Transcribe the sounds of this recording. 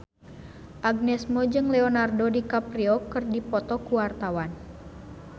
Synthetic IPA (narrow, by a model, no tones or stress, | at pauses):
ʔaɡ̚nɛsmɔd͡ʒɨŋlɛɔnardɔdikapɾiɔkɨrdipɔt̪ɔkuwart̪awan